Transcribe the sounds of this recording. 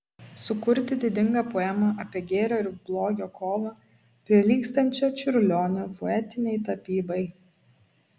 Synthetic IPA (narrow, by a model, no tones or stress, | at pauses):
sʊkʊɾʲt̪ʲɪd̪ʲɪd̪ʲɪŋɡɐpoɔːɛmɐʔɐpʲiɛɡʲeːɾʲoːɪɾblˠoːɡʲoːkʰoːʋɐ | pʲɾʲiɛlʲiːkst̪ɐnʲt͡ʃʲɛt͡ʃʲʊɾʲlʲoːnʲɛpoɛt̪ʲɪnʲɛɪt̪ɐpʲiːbɐɪ